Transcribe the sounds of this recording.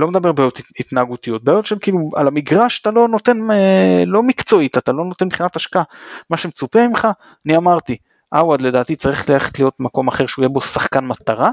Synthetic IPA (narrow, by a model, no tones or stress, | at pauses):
lo̞med̪abe̞ʁbejot̪it̪naːɡut̪ijo̞t̪̚bejotʃemkiːlua̰lamiɡʁaʃḁt̪alo̞no̞t̪e̞nelo̞mikt͡so̞it̪at̪alo̞no̞t̪enbχinat̪aʃkaamaʃe̞met͡supeimχa | aniamaʁt̪i | ʔawad̪le̞d̪aːt̪it͡saʁiχetleleχe̥t̪lijo̞t̪̚mako̞maχe̞ʁʃeujebo̞saχkanmat̪aʁa